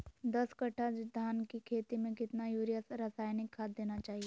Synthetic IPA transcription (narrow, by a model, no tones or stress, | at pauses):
d̪ɐskɐʈʰad͡ʒd̪ʱaːnkikʰeːt̪imẽkɪt̪najuːɾijəsɾasaːjnɪkʰːaːd̪̚d̪eːnat͡ʃaːɦieː